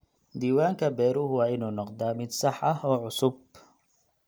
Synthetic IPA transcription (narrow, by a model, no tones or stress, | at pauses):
d̪iːwaːŋkʰɐbɛːɾʊɦʊwɑːɪnuːnɔqd̪aːmɪd̪sɑħɐɦɔːʕʊsʊb